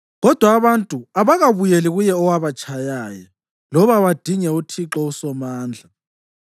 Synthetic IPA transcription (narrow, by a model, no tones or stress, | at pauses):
ɣɔd̥ʱwaːβantʼuaβaɣaβujeliɣujɛɔwaβat͡ʃʰʼajaːja | lɔβaβad̥ʱiɲɛutʰiǁɔusɔmaːnd͡ɮʱa